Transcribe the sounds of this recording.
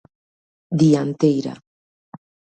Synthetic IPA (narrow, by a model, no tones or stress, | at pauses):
d̪iant̪ejɾa̰